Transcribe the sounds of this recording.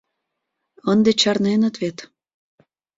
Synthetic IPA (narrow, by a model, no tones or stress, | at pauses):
ənd̪et͡ɕɑrnenət̪βet̪